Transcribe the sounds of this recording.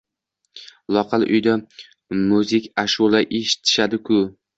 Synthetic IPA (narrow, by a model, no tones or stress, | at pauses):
lˠɒqʰɑlʔʊ̰jd̪a | mʊzɪkʲʰaʃulˠaʔeʃɪ̥t̪ʰɪ̥ʃad̪ɪkʰʊ